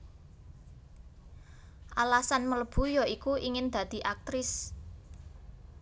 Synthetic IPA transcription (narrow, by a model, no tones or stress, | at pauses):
ʔalasanmələb̥ṳjɔikuʔiŋɪnd̪̥ä̤d̪̥i̤ʔak̚t̪ɾɪs